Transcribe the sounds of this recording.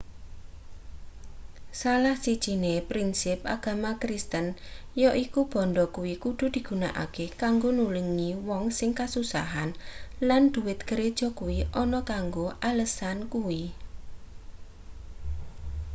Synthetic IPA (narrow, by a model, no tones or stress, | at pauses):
salahsid̥ʒ̥inepɾinsɪp̚a̰ɡ̥a̤makɾist̪ənjɔʔikub̥ɔ̤nɖɔkuwikud̪̥ṳd̪̥i̤ɡ̥ṳnaʔa̰kekaŋɡonuləŋiwɔŋsɪŋkasusa̰ɦanland̪̥ṳwɪt̪̚ɡ̥əɾed̥ʒ̥ɔ̤kuwiʔɔnɔkaŋɡoʔaləsankuwi